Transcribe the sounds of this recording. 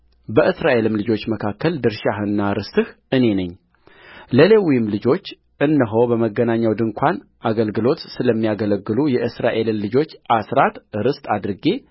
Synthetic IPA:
bəʔɨsɾaʔe̞lɨmlɨd͡ʒo̞t͡ʃːməkʰakːəld̪ɨɾʃahɨnːaɾɨst̪ɨh | ɨne̞nəɲː | ləlewijɪmlɨd͡ʒo̞t͡ʃː | ʔɨnːəɦəwbəməɡːənaɲːawd̪ɨŋkʷʰanʔaɡəlɡɨlo̞t̪sɨləmːijaɡələɡːɨlujɛʔɨsɾa̰ʔe̞lɨmlɨd͡ʒo̞t͡ʃːʔasɾat̪ɾɨst̪ʼad̪ɾɨɡe̞

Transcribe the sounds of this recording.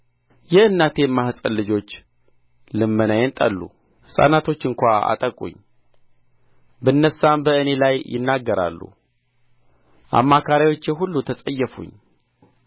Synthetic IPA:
jɛɨnːat̪ʰe̞mahsʼənlːɨd͡ʒo̞t͡ʃː | lɨmːɨnajɛnt̪ʼə̰lːṵ | hɨsʼa̰nat̪ʰo̞t͡ʃːɨŋkʷaa̰t̪ʼəkʼṵɲː | bənːəsːambəɨne̞lajjɪ̰nːaɡːəɾa̰lːṵ | ʔa̰mːakʰaɾawo̞t͡ʃːjɛɦulːut̪ʰəsʼəjːɛfṵɲː

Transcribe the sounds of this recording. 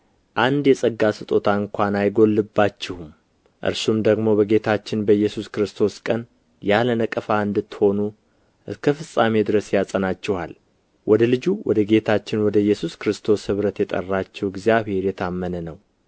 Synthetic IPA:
ʔand̪jɛsʼəɡːasɨt̪ʼo̞t̪ʰaɨŋkʷʰanajɡo̞lːɨbːat͡ʃːɪhum | ʔɨ̰ɾsumd̪əɡmo̞bəɡe̞t̪ʰat͡ʃːɪnbəjːɛsuskɾɨst̪ʰo̞skʼən | jalənəkʼəfaɨnd̪ɨt̪ːho̞nu | ʔɨskʰəfɨsʼːame̞d̪ɨɾəsjasʼənat͡ʃːɛha̰l | wʔɔd̪əlɨd͡ʒuwʔɔ̰d̪əɡe̞t̪ʰat͡ʃːɪnwɔd̪əjːɛsuskɾɨst̪ʰo̞shɨβɾət̪jɛt̪ʼə̰rːat͡ʃːɛwɪɡzijaβhe̞ɾjɛt̪ʰamːənənəw

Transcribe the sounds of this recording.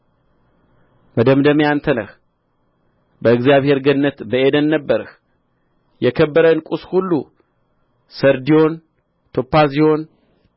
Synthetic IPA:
məd̪əmd̪əmejant̪ʰənə̰h | bəɨɡzijaβhe̞ɾɡənːət̪bəe̞d̪ənːəbːəɾɨh | jɛkʰəbːəɾənkʼushulːu | səɾd̪io̞n | t̪ʰo̞pːazio̞n

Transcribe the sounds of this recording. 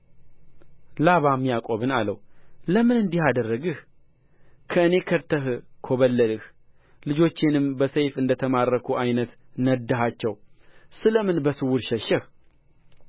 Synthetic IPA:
laβamjakʼo̞βɨnalə̰wləmɨnɨnd̪ihad̪ərːəɡɨh | kʰəɨne̞kʰəɾt̪ʰəɦkʰoβəlːəlɨh | lɨd͡ʒo̞t͡ʃːɪnɨmbəsəjfɨnd̪ət̪ʰəmarːəkʰuʔajnət̪nəd̪ːəɦat͡ʃːɛwsɨləmɨnbəsɨwʊɾʃɛʃəh

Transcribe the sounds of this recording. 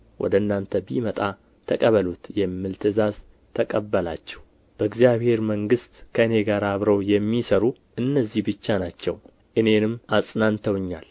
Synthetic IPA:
wʔɔ̰d̪əɨnːant̪ʰəbimət̪ʼa | t̪ʰəkʼəβəlut̪jɛmːɨlt̪ʰɨzaz | t̪ʰəkʼəbːəla̰t͡ʃːɛ̥hw | b̥əɨɡzijaβhe̞ɾməŋɡɨst̪kʰəɨne̞ɡaɾaβɾəwjɛmːisəɾu | ʔɨnːəzːihbɨt͡ʃːanat͡ʃːɛ̰w | ʔɨne̞nɨmːasʼnant̪ʰəwɨɲːa̰l

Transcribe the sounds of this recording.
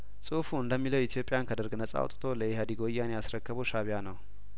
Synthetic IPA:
sʼɨfuɨnd̪əmːiləwit̪ʰjo̞pʼɪjankʰəd̪əɾɡnəsʼa̰w̰t̪ʼt̪ʰo̞ləjehad̪iɡo̞jːanejasɾəkːəβəwʃaβijanəw

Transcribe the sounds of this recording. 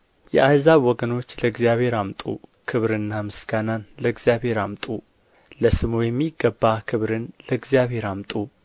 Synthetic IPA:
jɛ̰ʔajzaβwɔɡəno̞t͡ʃːləɨɡzijaβhe̞ɾamt̪ʼṵkʰɨβɾɨnːamɨsɡ̥ananləɨɡzjaβhe̞ɾamt̪ʼu | ləsɨmujɛmːiɡːəbːakʰɨβɾɨnləɨɡzjaβhe̞ɾamt̪ʼu

